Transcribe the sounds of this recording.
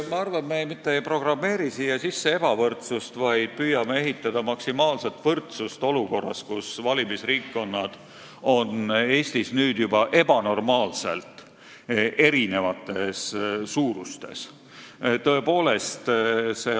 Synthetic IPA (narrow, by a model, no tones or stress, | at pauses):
meɑrvɑnmejmit̪ːeejpro̞ɡ̥rɑmːe̞ːɾisiːjɑsisːe̞e̞b̥ɑvɤrt̪sust̪vɑjd̪̥̚pyːjɑmee̞ɦit̪ːˑɑd̪̥ɑmɑksimɑːlse̞t̪vɤrt̪sust̪o̞luko̞rːɑ̰skusvɑlʲimisriːkːo̞nːɑd̪̥ | o̞ne̞ːst̪isnyːd̪̥jubɑʔe̞b̥ɑno̞rmɑːlse̞̰lt̪ˑ | ʔe̞ɾine̞vɑt̪ːˑe̞sːuːɾust̪e̞̰s | t̪ɤe̞po̞ːle̞st̪se̞